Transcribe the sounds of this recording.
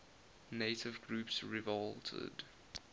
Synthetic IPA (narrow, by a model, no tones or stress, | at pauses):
neɪtʰɪvɡɹuːpsɹivɔltʰə̰d